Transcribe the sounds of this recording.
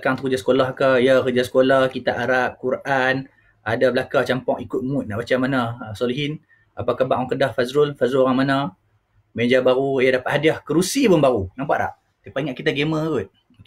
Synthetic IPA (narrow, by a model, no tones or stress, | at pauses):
kaŋt̪əkud͡ʒasə̥kolahkajakəd͡ʒasə̥kolahkit̪aʔaɾap̚kuɾʔan | adabəlakat͡ʃampɔŋikʊt̪̚mut̪̚naʔbat͡ʃamanasɔliɦin | apakahbaʔwaŋkədahfazɾʊlfazɾuloɾaŋmana | meɲd͡ʒabaɾujadapaʔ̪hadiahkəɾusibənbaɾunampaʔɾa̰ʔ̚ | t̪ipaiŋaʔkit̪aɡeməɡut̪̚